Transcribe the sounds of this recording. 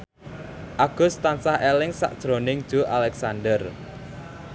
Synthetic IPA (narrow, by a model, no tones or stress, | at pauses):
ʔaɡ̥ʊ̤st̪ansahɛlɪŋsa̰ʔd̥ʒ̥ɾonɪŋd̥ʒ̥o̤ʔalɛksandər